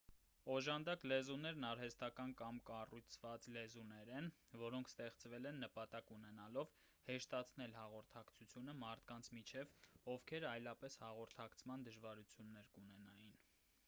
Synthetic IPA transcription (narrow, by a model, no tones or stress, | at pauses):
ɔʒɑnd̪ɑklɛzunɛɾnɑɾɦɛst̪ɑkɑnkɑmkɑrujt͡sʰvɑt͡slɛzunɛɾɛnvɔɾɔŋkʰst̪ɛχt͡svɛlɛnːəpɑt̪ɑkunɛnɑlɔv | hɛʃt̪ɑt͡sʰnɛlhɑʁɔɾt̪ʰɑkt͡sʰut͡sʰjunəmɑɾt̪ʰkɑnt͡sʰmit͡ʃʰɛvɔvkʰɛɾɑjlɑpɛshɑʁɔɾt̪ʰɑkt͡sʰmɑnd̪əʒvɑɾut͡sʰjunːɛɾkunɛnɑjin